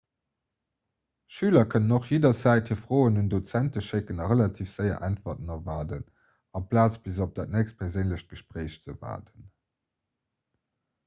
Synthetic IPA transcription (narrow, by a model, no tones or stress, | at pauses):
ʃyːlɐkʰənənoχjeːdɐzæɪthiːɐfʁoːənundot͡sæntəʃekənɑʁəlɑtʰiːfz̥ɜɪɐ̰ʔæntvɐtənɑvaːdən | ɑpʰlaːt͡sb̥izop̚d̥aːt̚næːkst̚pʰɛʁzeɪnləɕt̚ɡ̥əʃpʁeɪɕt͡səva̰ːdən